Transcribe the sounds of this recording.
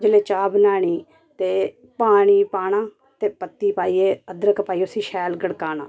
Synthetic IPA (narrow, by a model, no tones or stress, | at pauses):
d͡ʒəleːt͡ʃaːbnaːɳ̃iː | t̪eː | paːɽ̃iːpaːɽ̃ãː | t̪eːpət̪ːiːpaːiːeːəd̪ɾəkpaːiːosĩːʃɛːlɡəɽkaːna̰ː